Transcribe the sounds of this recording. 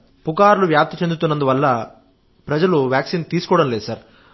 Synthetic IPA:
pukaːɾluʋjaːp̚t̪ɐt͡ʃe̞nd̪ut̪unːɐnd̪uʋɐlːɐ | pɾɐd͡ʒɐluʋjaːksiːnt̪iːsu̥kɔːʋɽɐmnleːd̪usaːɾ

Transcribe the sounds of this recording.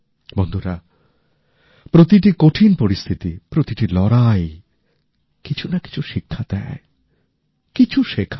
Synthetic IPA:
bɔnd̪ʱoɾa | pɾot̪iʈikoʈʰinpoɾist̪ʰit̪ipɾot̪iʈilɔɾaj | kit͡ɕʰunaki̥t͡ɕʰuʃikʰːad̪ɛ | kit͡ɕʰuʃekʰ

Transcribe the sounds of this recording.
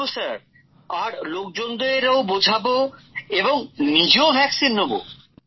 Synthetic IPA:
osaɾ | aɾlok̚d͡ʑond̪oeɾaobod͡ʑʱaboeboŋnid͡ʑeobʱɛksinːobo̰

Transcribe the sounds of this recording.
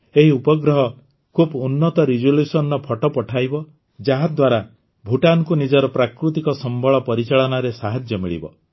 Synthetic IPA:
eɦiupɔɡɾɔɦɔ | kʰubunːɔt̪ɔɾid͡ʒulusɔnɔpʰɔʈɔpɔʈʰajbɔ | d͡ʒaɦad̪waɾa | bʱuʈankunid͡ʒɔɾɔpɾakɾut̪ikɔsɔmbʱɔɭɔpɔɾit͡ʃaɭɔnɔɾesaɦad͡ʒjɔmiɭḭbɔ̰

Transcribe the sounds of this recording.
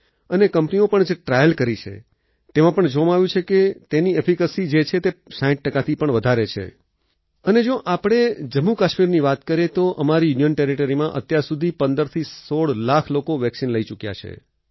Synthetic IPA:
ənekəmpniopəɳd͡ʒeʈɾajəlkəɾit͡ʃʰḛ | t̪emãpəɳd͡ʒoʋam̃aʋjũt͡ʃʰeket̪eniepʰikəsid͡ʒet͡ʃʰet̪esaĩʈ̚ʈːəkat̪ʰipəɳʋəd̪ʱaɾet͡ʃʰḛ | əned͡ʒoʔapɽ̃ed͡ʒəmːukaʃmiɾniʋat̪kəɾet̪oʔəmaɾijunijənʈeɾiʈəɾimãʔət̪jaɾsud̪ʱipənd̪əɾt̪ʰisoɽlakʰlokoʋɛksinləit͡ʃukja̰t͡ʃʰḛ

